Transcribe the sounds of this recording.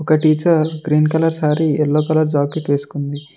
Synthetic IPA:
ɔkɐʈiːt͡ʃɐɾɡɾiːnkɐlɐɾsaːɾiɛlːoːkɐlɐɾd͡ʒaːkeʈʋe̞ːsu̥kund̪i

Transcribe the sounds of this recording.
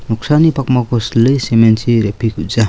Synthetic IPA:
nuksanipakmakoslesemensiɾepʰikud͡za

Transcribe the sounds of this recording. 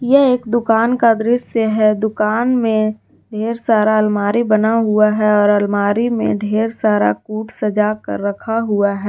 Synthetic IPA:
jɛeːkd̪ʊkaːnkad̪ɾɪʃjəɦɛd̪ʊkaːnmẽ | ɖʱeːɾsaːɾaəlmaːɾibənaɦuaɦɛɔːɾəlmaːɾimḛ̃ɖʱeːɾsaːɾa̰kuːʈsəd͡ʒaːkə̰ɾːəkʰaɦuaɦɛː

